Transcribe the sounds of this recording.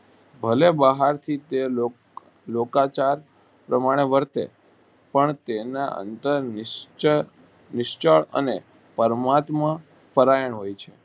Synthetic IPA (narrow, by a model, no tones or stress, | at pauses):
bʱəlebəɦaɾt̪ʰit̪eo | lokat͡ʃaɾ | pɾəmaɽ̃eʋəɾt̪ḛ | pəɳt̪ena̰ʔə̰nt̪əɾ | nɪʃt͡ʃəɭə̰ne | pəɾmat̪mã | pəɾajəɳ̃ɦojt͡ʃʰe